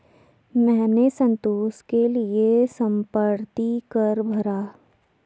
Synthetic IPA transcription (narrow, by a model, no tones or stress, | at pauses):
mɛ̃ːnesɐ̃nt̪oːskeliesɐ̃mpəɾt̪ikəɾbʱɐɾaː